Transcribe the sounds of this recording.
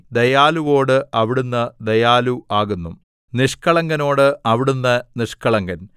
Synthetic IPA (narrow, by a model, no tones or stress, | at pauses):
d̪ejaːluʋo̞ːɽɨʔɐʋiɽunːɐd̪ejaːluaːɣunːṵ | niʂkɐɭɐŋɡɐno̞ːɽɨʔɐʋiɽunːɐniʂkɐɭɐŋɡɐn